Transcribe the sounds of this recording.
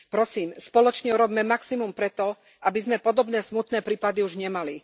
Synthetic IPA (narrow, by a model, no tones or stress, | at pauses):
pɾɔsiːmspɔlɔt͡ʃɲɛuɾɔbːmɛmaksimumpɾɛt̪ɔ | ʔabizmɛpɔd̪ɔbnɛːsmut̪nɛːpɾiːpad̪iuʒɲɛmali